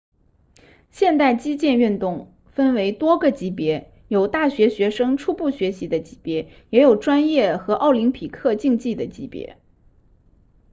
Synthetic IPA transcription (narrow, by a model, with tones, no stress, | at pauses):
ɕjɛ˥˧nt̪a˥˩ɪt͡ɕi˥t͡ɕjɛ˥˧ny˥˧nt̪ʊ˥˩ŋ | fə˥nwe˧˥ɪt̪wɔ˥ɡə˨t͡ɕi˧˥pjɛ˧˥ | jo˨˩ʊt̪a˥˩ɕɥɛ˧˥ɕɥɛ˧˥ʂɤ˥ŋʈ͡ʂʰu˥˧pu˥˩ɕɥɛ˧˥ɕi˧˥d̪ə˧t͡ɕi̥˧˥pjɛ˧˥ | jɛ˧˥jo˨˩ʊʈ͡ʂwa˥njɛ˥˩xɤ˧˥ʔɑ˥˩ʊli˧˥ŋpʰi˨˩kʰɤ˥˧t͡ɕi˥˧ŋt͡ɕi˥˩d̪ə˩t͡ɕi˧˥pjɛ̰˧˥